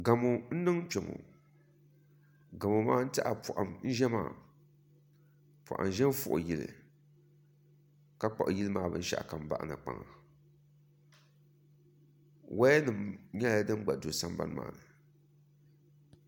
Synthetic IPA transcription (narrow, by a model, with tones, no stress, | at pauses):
ɡa˨mo˨n̩˦nɨ˦ŋ˦pɛ˨ŋo̰˨ | ɡa˨mo˨maː˦n̩˦ta˦ʔa˨pʰʊ˨ʔa̰˨mn̩˦ʒɛ˦ma̰ː˨ | pʊ˨ʔa̰˨m˨ʒɛ˦m˦fʊ̰˦ʔʊ̰˨ji˦lɨ̰˨ | ka˦k͡pa˨ʔji˦lɨ˦maː˦˨bɨ̰˦n̩˦ʃa̰˦ʔka˨m˨ba̰˦ʔnɨ˨k͡pa̰˨ŋa˨ | wa˦nɨ˨mɲɛ˦a˦dɨ˦m˦ɡ͡ba˨do˨sa˦m˦ba̰˦n˦ma̰ː˨nɨ˨